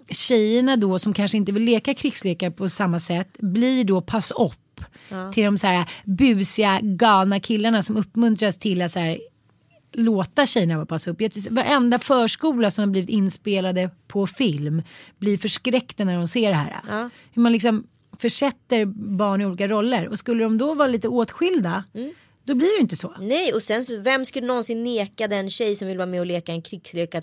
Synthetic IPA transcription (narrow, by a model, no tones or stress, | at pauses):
ɕɛjːəɳad̪ɔsɔmkʰanʂəɪnt̪əvɪlːeːkakʰɾɪksleːkaɾəpʰɔsamːasɛt̪ːbliɖɔpʰasɔp̪ːʰɪld̪ɔmsæːɾabʉ̟ːsɪaɡɑːvnakʰɪlːaɳasɔmɵpːmɵnt̪ɾast̪ʰɪlːat̪sæːɾ | loːt̪aɕɛjːəɳavɑːpʰasaɵpːjat̪ʰsvaɾʔɛnd̪afœːʂkuːlasɔmhabliːvɪt̪ɪnːspeːlad̪əpʰɔfɪlmblɪɾfœʂkɾɛkt̪anæɖɔmseːɖɛɦæ̰ːɾa̰ | hɵmanlɪksɔm | fœʂɛt̪ːəɾbɑːɳɪuːliːkaɾɔlːəɾɔskɵlːədɔmd̪ɔvɑːɾaliːt̪əoːt̪ɧɪld̪a | d̪̥ɔblɪɖɛjɪnt̪əsɔːnɛjɔsɛnsɔvɛmːskɵlːənɔnsɪnːeːkad̪ɛnɕɛjsɔmvɪlːəvɑːmɛɔleːkaɛnkʰɾɪɡ̥sleːka